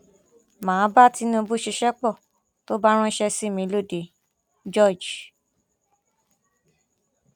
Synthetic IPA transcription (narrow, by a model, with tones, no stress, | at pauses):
mãː˨˦ba˦ti˧˦nũ˦˧bu˦ʃi˧ʃɛ˦k͡pɔ˦˨ | to˦ba˦ɾ̃ɔ̃˦ʃɛ˧si˦˨mĩ˧˦lo˦˨de˨ | d͡ʒɔ˦˨d͡ʒ